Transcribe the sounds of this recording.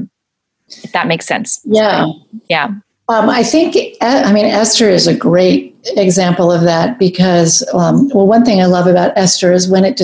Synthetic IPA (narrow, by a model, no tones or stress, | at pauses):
ðət̚meɪksɛ̰̃nsjæjæ | ʌ̃maɪθɪ̃ŋkɛaɪmĩnɛstə˞ɨzɨɡɹeɪɾɨɡzæ̃mpl̩ˠʌvðæt̚b̥ɨkʰʌzʌ̃mwɛlˠwʌ̃nθɪ̃ŋaɪlʌvɨbaʊɾɛstə˞ɨzwɨ̃ñɨt̚d̥